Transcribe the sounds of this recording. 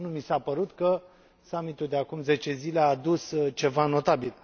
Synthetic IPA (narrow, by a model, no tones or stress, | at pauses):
numisapəɾut̪kə | samit̪uld̪eakumze̞t͡ʃe̞zileaːd̪ust͡ʃe̞vano̞t̪abil